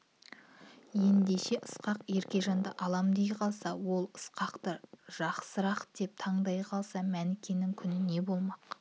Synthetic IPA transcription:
je̞nd̪eʃe̞ʔəsqɑqje̞ɾkʲe̞ʒɑnd̪əʔɑlˠɑmd̪ejqʰɑlˠsɑwo̞lˠəsqɑqt̪əʒ̥ɑqsəɾɑqət̪d̪̥e̞p̚t̪ʰɑɴd̪ɑjqʰɑlˠsɑmænɪkʲe̞nɪŋkʲʰʏnɪne̞bo̞lˠmɑq

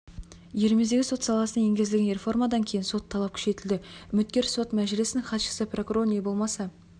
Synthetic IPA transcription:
je̞ɾme̞zd̪e̞ɡʲɪso̞t̪sɑlˠɑsənɑje̞ŋɡʲzɪlɡʲenɾʲe̞fo̞rmad̪ɑŋkʲʰe̞jɪnso̞t̪ʰːɑlˠɑp̚kʲʰʏ̥ʃe̞t̪ɪld̪ɪʏmɪt̪̚kʲe̞ɾso̞t̪mæʒɪlɪsɪnɪŋχɑt̪ʃə̥səpro̞kuɾo̞ɾne̞bo̞lˠmɑsɑ

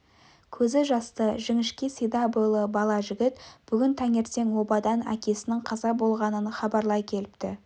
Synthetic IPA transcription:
kʲʰɵzɪʒɑst̪əʒɪŋɪʃkʲisijd̪ɑbujlˠəbɑlˠɑʒɪɡʲɪt̪b̥ʏɡʲɪnt̪ʰæŋe̞ɾse̞ŋwo̞bɑd̪ɑnæ̰kʲe̞sɪnɪŋqʰɑzɑbo̞lˠʁɑnənχɑbɑɾlˠɑjkʲʰe̞lɪpt̪ɪ

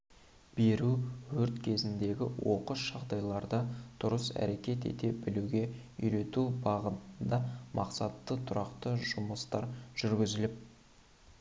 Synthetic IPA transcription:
b̥e̞ɾuwɵɾt̪kʲʰe̞zɪnd̪e̞ɡʲɪ̰wo̞qəʃʒ̥ɑʁd̪ɑjlˠɑɾd̪əd̪̥ʊɾəsæ̰ɾe̞kʲe̞t̪e̞̰t̪e̞bɪluɡʲe̞ | ʏ̰jɾe̞t̪ubɑʁət̪əənd̪ɑmʔɑqsɑt̪ːət̪ʰʊɾɑqt̪əʒʊməst̪ɑɾʒ̥ʏɾɡʲɪzɪlɪp̚

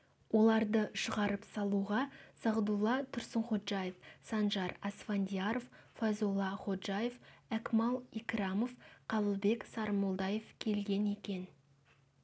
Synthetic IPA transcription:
wo̞lˠɑɾd̪əʃəʁɑɾəpsɑlˠuʁɑsɑʁd̪ulˠːɑt̪ʰʊɾsəɴχo̞t̪ʒ̥ajefsɑnʒɑɾɑsfand̪ʲijaɾoffazulˠːɑχo̞t̪ʒajefækmɑlˠikrɑmo̞fqʰɑlˠəlˠbe̞ksɑɾmolˠd̪ɑje̞fkʲʰe̞lɡʲe̞ne̞kʲe̞n

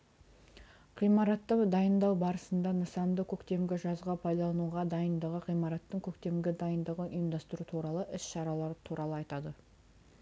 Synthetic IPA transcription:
ʁijmɑɾɑt̪ːəd̪ɑjənd̪ɑwbɑɾəsənd̪ɑnəsɑnd̪əkʲʰɵkt̪e̞mɡʲɪʒɑzʁɑpʰɑjd̪ɑlˠɑnuʁɑd̪ɑjənd̪əʁəʁijmɑɾɑt̪ːəɴkʲʰɵkt̪e̞mɡʲɪd̪ɑjənd̪əʁəʔʊjəmd̪ɑst̪ɾut̪ʰuɾɑlˠəʔɪsʃɑɾɑlˠɑɾət̪ʰuɾɑlˠəɑjt̪ɑd̪ə

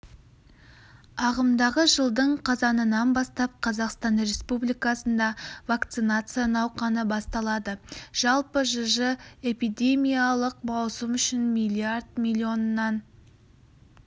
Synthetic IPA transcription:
ɑʁəmd̪ɑʁəʒəlˠd̪əɴqʰɑzɑnənɑnbɑst̪ɑp̚qʰɑzɑqst̪ɑnre̞spublijkɑsənd̪ɑvakt̪sɨnat̪sɨjanɑwqɑnəbɑst̪ɑlˠɑd̪əʒ̥ɑlˠpəʒəʒəe̞pid̪e̞mʲijalˠəqmɑwsəmʏʃɪnmʲilʲˠiard̪mʲilʲio̞nənːɑn

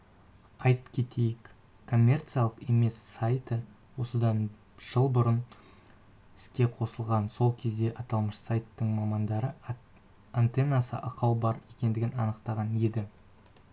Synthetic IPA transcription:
ɑjt̪kʲʰe̞t̪ʰe̞jɪk | kʰo̞mʲːe̞rt̪sɨjalˠəqe̞me̞sːajt̪ə | wo̞səd̪ɑn | ʒ̥əlˠbʊɾən | ɪskʲe̞qʰo̞səlˠʁɑnso̞lˠkʲʰe̞zd̪e̞ʔɑt̪ɑlˠməʃsajt̪ːəɴmɑmɑnd̪ɑɾə | ant̪e̞nɑsə̰ʔɑqʰɑwbɑɾje̞kʲe̞nd̪ɪɡʲɪnɑ̰nəqt̪ɑʁɑne̞d̪ɪ

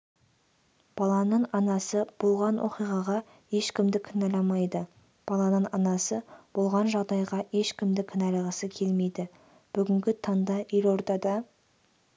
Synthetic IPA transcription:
b̥ɑlˠɑnəɴɑnɑsəb̥olˠʁɑnwʔoqijʁɑʁɑ | e̞ʃkʲɪmd̪ɪkʲʰɪnɑlɑmɑjd̪ə | b̥ɑlˠɑnəɴɑnɑsəb̥olˠʁɑnʒɑʁd̪ɑjʁɑe̞ʃkʲɪmd̪ɪkʲʰɪnælʁəsəkʲʰe̞lme̞jd̪ɪ | b̥ʏɡʲɪŋɡʲɪt̪ʰɑnd̪ɑʔelwo̞ɾt̪ɑd̪ɑ

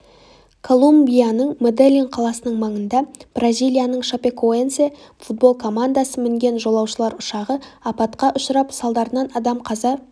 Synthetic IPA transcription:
kʰo̞lˠumbʲijanəɴmod̪elʲːinqʰɑlˠɑsənəɴmɑɴənd̪ɑb̥razʲijlʲˠijanəɴʃapʲekoent̪se | fut̪̚bo̞lˠkʰo̞mand̪asəmɪŋɡʲe̞nʒo̞lˠɑwʃəlˠɑɾʊʃɑʁəɑpɑt̪qɑʔʊʃəɾɑpsɑlˠd̪ɑɾənɑnɑd̪ɑmqʰɑzɑ

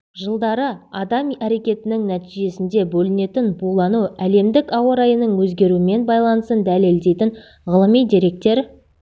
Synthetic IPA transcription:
ʒəlˠd̪ɑɾəɑd̪ɑmæɾe̞kʲe̞t̪ɪnɪŋnæt̪ijʒe̞sɪnd̪e̞bɵlɪne̞t̪ɪnbulˠɑnuæle̞md̪ɪkɑwɑɾɑjənəɴwɵz̪ɡʲe̞ɾuɪme̞nbɑjlˠɑnəsənd̪æle̞ld̪e̞jt̪ɪn | ʁəlˠəmijd̪e̞ɾe̞k̚t̪e̞ɾ

